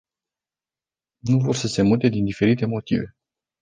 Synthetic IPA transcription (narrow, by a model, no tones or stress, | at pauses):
nuvo̞rsəse̞mut̪e̞d̪ind̪ife̞ɾit̪e̞mo̞t̪ive̞